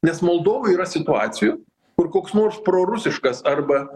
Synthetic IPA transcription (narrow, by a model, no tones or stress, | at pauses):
nʲɛsmolˠd̪oːʋʊiːɾɐsʲɪt̪ʊɑːt̪sʲɪju | kʊrkoːksnoːrspɾoːɾʊsʲɪʃkɐsɐrbɐ